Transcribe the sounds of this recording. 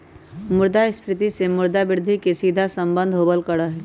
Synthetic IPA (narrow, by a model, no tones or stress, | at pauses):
mʊɾd̪aɪspɾɪt̪isemʊɾd̪abɪɾd̪ʱikesiːd̪ʱasə̃mbə̃nd̪ʱɦoːbəlkəɽaɦɛː